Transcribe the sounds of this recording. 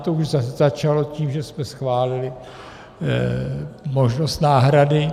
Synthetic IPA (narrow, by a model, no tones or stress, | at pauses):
t̪ouʒzazat͡ʃalo̞ciːmʒɛsmɛsxvaːlɪlɪ | mo̞ʒno̞st̪naːɦɾadɪ